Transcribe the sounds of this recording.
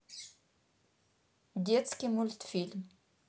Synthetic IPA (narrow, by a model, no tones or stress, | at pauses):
d̪jɛt͡skimult̪film